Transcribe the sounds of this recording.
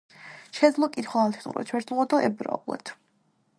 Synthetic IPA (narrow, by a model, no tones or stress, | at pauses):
ʃɛd̪zlˠɔkʼit̪χɔalt̪ʰɛnṵɾɛ̰t͡ʃʰwɛɾt̪uʁɔd̪ɔʔɛbɾɔ̰lɛ̰t̪ʰ